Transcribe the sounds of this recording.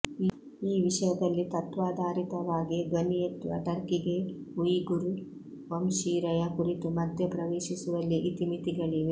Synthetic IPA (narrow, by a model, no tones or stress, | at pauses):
iːʋiʂɐjɐd̪ɐlːit̪ɐt̪ʋaːd̪ʱaːɾit̪ɐʋaːɡiɡ̪ʋɐnijet̪ːuɐ̰ʈɐɾkiɡeujɡuɾu | ʋɐmʃiːɾɐjɐkuɾit̪umɐd̪ʱjepɾɐʋeːʃisuʋɐlːiʔit̪imit̪iɡɐɭiʋe